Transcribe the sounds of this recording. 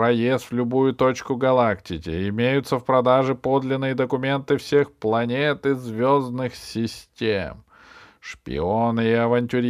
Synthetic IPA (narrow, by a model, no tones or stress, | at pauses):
ɾɐjest̪vʲlʲʊbujʊt̪ot͡ɕkʊɡɐlˠaktʲɪkʲɪ̰ɪmʲejʊt̪səfpɾɐd̪aʐɨpo̞d̪lʲɪnːɨjəd̪əkʊmʲe̞nt̪ɨfsʲe̞xplˠɐnʲet̪ɨzvʲoznɨxsʲɪsʲtʲḛm | ʂpʲɪ̰onɨɪɐvɐnʲtʲʊɾʲ